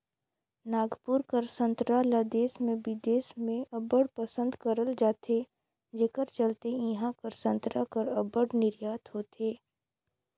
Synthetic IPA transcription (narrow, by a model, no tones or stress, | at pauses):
naːɡpuɾkəɾsə̃nt̪ɾalad̪eːsmẽbɪd̪eːsmẽʔɐbəɽpəsə̃nd̪kəɾəld͡ʒaːt̪ʰe | d͡ʒeːkəɾt͡ʃəlt̪eĩɦãkəɾsə̃nt̪ɾakəɾɐbəɽnɪɾjaːt̪ɦoːt̪ʰeː